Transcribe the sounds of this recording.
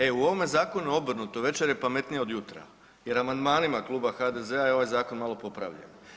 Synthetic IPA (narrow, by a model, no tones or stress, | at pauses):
e̞uo̞ʋome̞zaːko̞nuuo̞br̩nut̪o̞ʋe̞t͡ʃeɾjepame̞t̪nijeo̞d̪jut̪ɾa̰ | je̞ɾamand̪maːnimaklˠuːbaxaːd̪e̞ze̞ajeo̞ʋajzaːko̞nmalˠo̞po̞pɾa̰ʋʎḛn